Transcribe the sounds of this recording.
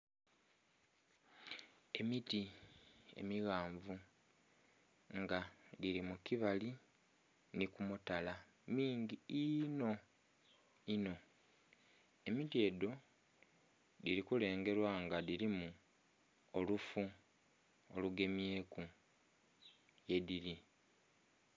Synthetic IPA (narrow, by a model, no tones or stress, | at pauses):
e̞miti | e̞̰miɣaːɱvu | ŋɡadiɾimukiβali | nikumutala | miːŋɟiino̞ | ino̞ | e̞mitie̞ːdo̞ | diɾikule̞ːŋɡe̞ɾwaŋɡaðiɾimu | olufu | oluɡe̞mje̞ːku | je̞ðiɾi